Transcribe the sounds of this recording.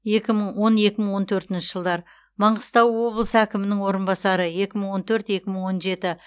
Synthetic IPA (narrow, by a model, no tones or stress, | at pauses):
je̞kʲɪməɴwo̞ne̞kʲɪməɴwo̞nt̪ʰɵɾt̪ɪnʃɪʒ̥əlˠd̪ɑɾ | mɑɴʁəst̪ɑwːo̞blˠəsəækʲɪmɪnɪŋwo̞ɾənbɑsɑɾəje̞kʲɪməɴwo̞nt̪ʰɵɾt̪je̞kʲɪməɴwo̞nʒe̞t̪ɪ